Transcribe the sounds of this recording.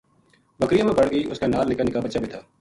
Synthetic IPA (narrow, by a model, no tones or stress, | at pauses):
bəkɾijãːmẽbɐɽɡəiʔʊ̰skanaːlnɪkəlnɪkabət͡ʃaːbɪt̪ʰaː